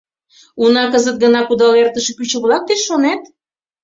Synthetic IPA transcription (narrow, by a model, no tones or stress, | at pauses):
unɑkəzət̪̚ɡənɑkud̪ɑlert̪əʃepyt͡ɕə̆βlɑk̚t̪eʃːonæt̪